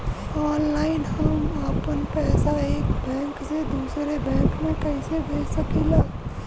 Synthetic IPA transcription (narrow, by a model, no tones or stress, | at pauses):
ɔːnlaːɪnɦəməpənpɛːsaeːkbʱɛ̃ːŋksed̪uːsɾebɛ̃ːŋkmẽkəɪsebʱeːsəkilaː